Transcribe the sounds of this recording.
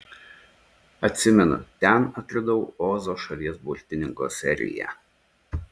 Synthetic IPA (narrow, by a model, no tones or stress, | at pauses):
ɐt̪ʲsʲɪmʲɛnʊ̰t̪ʲɛnɐt̪ʲɾʲɪd̪ɔʊoːzoːʃɐlʲiɛsbʊɾʲt̪ʲɪnʲɪŋko̰ːsʲɛ̰ɾʲɪ̰jɛ̰